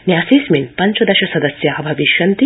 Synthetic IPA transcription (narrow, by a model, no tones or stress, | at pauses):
njaːseːsminpɐɲt͡ʃɐd̪ɐʃɐsɐd̪ɐsjɐɐbʱɐʋiʃjɐnt̪i